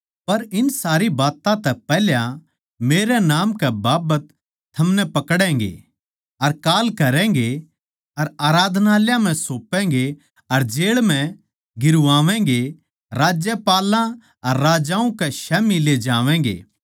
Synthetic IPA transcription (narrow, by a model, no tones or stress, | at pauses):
pɐɾɪnsaːɾibaːt̪ãt̪ɛpɛɦljã | meːɾɛnaːmkɛbaːbət̪ʰː | ɐmnɛpɐkɽɛ̃ːŋɡḛ | ɐɾkaːlkɐɾɛ̃ɡe | ɐɾaːɾaːd̪ʱnaːljãm̤ɛ̃soːpɛ̃ːɡe | ɐɾd͡ʒeːɭm̤ɛ̃ | ɡɪɾʊʋaːʋɛ̃ɡe | ɾaːd͡ʒjəpaːlã | ɐɾːaːd͡ʒãːũkɛʃɛːmiled͡ʒaːʋɛ̃ːɡḛː